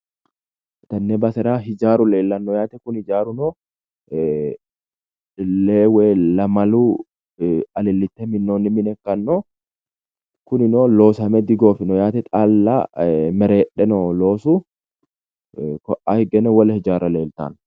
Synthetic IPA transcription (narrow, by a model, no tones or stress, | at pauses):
t̪ɐnːebɐsɛɾaːɦɪd͡ʒaːɾʊle̞ːlːɐnːɔjaːt̪ɛkʊnhɪd͡ʒaːɾʊnoː | leːwɛlɐmɐluː | ɐlɪlːɪt̪ːɛmɪnːoːnːɪmɪnɛkːɐnːɔ | kʊnɪnoːlo̞ːsɐmɛd̪ɪɡoːfɪnɔjaːt̪ɛt̪ʼalːa̰ːmɛɾeːɗːɛnɔloːsu | kɔʔaːhɪɡɛnɛwɐlɐhɪd͡ʒaːɾɐle̞ːlt̪a̰ːn